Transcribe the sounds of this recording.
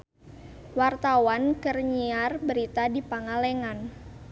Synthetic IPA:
wart̪awankərɲiarbəɾit̪adipaŋalɛŋan

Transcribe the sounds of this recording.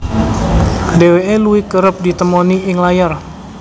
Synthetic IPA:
deweʔeluɪkəɾəp̚dit̪əmoniɪŋlajar

